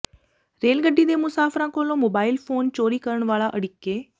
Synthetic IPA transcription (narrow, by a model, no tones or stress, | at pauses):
ɾeːlɡəɖːiːd̪eːmʊsaːfɾãːkoːlõːmoːbaːɪlpʰoːnt͡ʃoːɾiːkəɾəɳ̃ʋaːlaʔəɽɪkːeː